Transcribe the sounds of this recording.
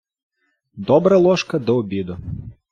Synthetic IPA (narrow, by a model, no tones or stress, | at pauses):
d̪ɔbɾɐlˠɔʃkɐd̪ɔɔbʲid̪ʊ